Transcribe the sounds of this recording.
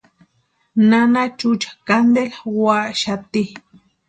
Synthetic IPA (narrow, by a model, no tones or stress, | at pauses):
nanat͡ʃut͡ʃḁkand̪elwaʔʃat̪i